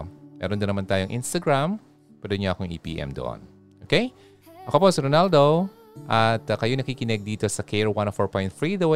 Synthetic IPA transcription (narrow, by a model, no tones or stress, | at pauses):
mɛ̰ːɾond̪ɐnɐmant̪aːjoŋʔinst̪ɐɡɹam | pɛd̪ʊnɲoʔɐkoŋʔḭːpḭːʔɛ̰md̪o̰ʔo̰n | ʔoːkej | ʔɐko̞posɛɾonald̪o | ʔɐt̪ɐkɐjonɐkiːkɪnɛɡ̚d̪iːt̪o̞sɐkʰɛɹwãnofoɹpoj̃nt̪fɹid̪ɐw